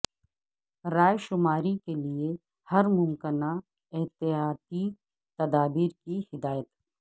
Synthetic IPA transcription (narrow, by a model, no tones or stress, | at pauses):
ɾaːjʃʊmaːɾikelie | hɐɾmʊmkɪna | ɪɦt̪ɪjaːt̪i | t̪ɐd̪aːbiːɾkihɪd̪aːjət̪